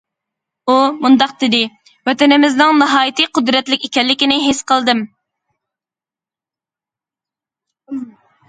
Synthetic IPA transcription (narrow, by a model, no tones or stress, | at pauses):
umund̪ɑq̚d̪ɪd̪ɪ | wɛt̪ɛnɪmɪznɪŋnɨɦɑːjit̪ɨqʊd̪ɾɛt̪lɪkʲekʲɛlːɪkʲinɪɦesqəlˠd̪ɨm